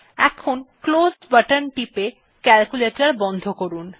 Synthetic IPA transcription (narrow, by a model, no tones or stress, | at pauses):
ɛ̰kʰonklozbəʈənʈipe | kɛlkuleʈaɾbɔnd̪ʱokoɾun